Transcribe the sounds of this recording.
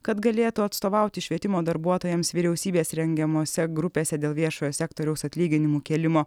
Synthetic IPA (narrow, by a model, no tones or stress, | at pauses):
kɐt̪ɡɐlʲeːt̪uɐt̪st̪oːʋɑˑʊt̪ʲɪʃʲʋʲiɛt̪ʲɪmoːd̪ɐɾbuɔt̪oːjɛmsʋʲiɾʲɛʊsʲiːbʲeːsɾʲɛŋʲɡʲɛmoːsʲɛɡɾʊpʲeːsʲɛd̪ʲeːlˠʋʲiɛʃoːjoːsʲɛkt̪oːɾʲɛʊsɐt̪ʲlʲiːɡʲɪnʲɪmuːkʲɛːlʲɪmoː